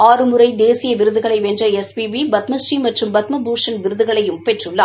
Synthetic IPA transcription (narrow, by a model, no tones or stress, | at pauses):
aːɾɯmɯɾɐɪd̪eːsɪjɐʋɪɾɯðɯɣɐɭɐɪʋɛndrɐɛspiʋibɐt̪mɐsʈrimɐʈrɯmbɐt̪mɐbuːʂɐnʋɪɾɯðɯɣɐɭɐjɯmpeʈrɯɭːaː